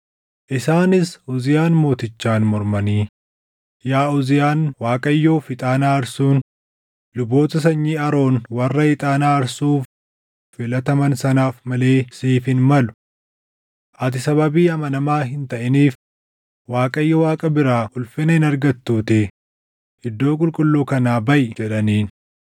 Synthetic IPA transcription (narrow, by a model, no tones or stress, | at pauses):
ʔɪsaːnɪsʊzɪjaːnmo̞ːt̪ɪt͡ʃːaːnmɔɾmɐniː | jaːʊzɪjaːnwaːkʼɐjːoːfɪt̪ʼaːnaːɐɾsuːn | lʊbo̞ːt̪ɐs̬ɐɲːiːɐɾo̞ːnwɐrːɐɪt̪ʼaːnaːɐɾsuːf | fɪlɐt̪ɐmɐnsɐnaːfmɐle̞ːsiːfɪnmɐlʊ̥ | ʔɐt̪ɪsɐβɐbiːɐmɐnɐmaːɦɪnt̪ɐʔɪniːf | waːkʼɐjːɐwaːkʼɐbɪɾaːʊlfɪnɐhɪnɐɾɡɐt̪ːuːt̪ɪ | ɪd̪ːo̞ːkʼʊlkʼʊlːuːkɐnaːbɐʔɪd͡ʒɛᶑɐniːn